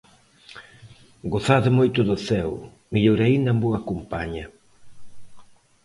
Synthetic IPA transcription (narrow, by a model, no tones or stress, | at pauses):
ɡoθaðʊmojt̪ʊðʊθɛw | miʎoɾaind̪ɐmbuɐkompaɲɐ